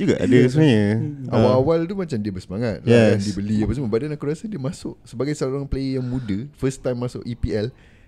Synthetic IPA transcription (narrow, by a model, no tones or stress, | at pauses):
d͡ʒuɡa̰ʔa̰dəs̬əmaɲəawaawalt̪umat͡ʃamdiəbəsəmaŋat̪̚laaŋdibəliapas̬əmabadanaʔkɾuasadiəmasʊʔ̚səbaɡajsəoɾaŋplejaŋmũdəfəst̪ajmːasʊʔipiɛl